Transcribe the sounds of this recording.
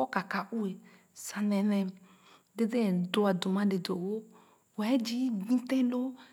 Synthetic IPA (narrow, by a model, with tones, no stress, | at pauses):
o˦ka˨ka˨ʔu˦e˨ | sa˨nɛ̃˨nɛ̃˨ | de˦de˦˨do˨a˨do˨mã˦de˨do˨wo˦ | wo˨ɛ˦d͡ʒi˦ɡ͡bĩ˦tɛ̃˦lo˦